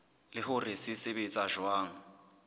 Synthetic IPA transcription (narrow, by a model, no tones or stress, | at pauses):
lɪhʊrɪsisɪbet͡sʼaʒwaːŋ̩